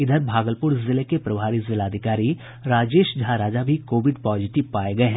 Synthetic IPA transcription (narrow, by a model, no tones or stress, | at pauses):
ɪd̪ʱəɾbʱaːɡəlpʊɾzɪlekepɾɐʋʱaːɾizɪlaːd̪ʱɪkaːɾi | ɾaːd͡ʒeːʃd͡ʒʱaːɾaːd͡ʒabʱikoːʋɪɖpɔːd͡ʒɪʈɪʋpaːeɡɐeɦɛ̃